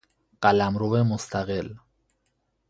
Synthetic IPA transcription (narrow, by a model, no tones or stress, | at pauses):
kalamɾuβemost̪aɣel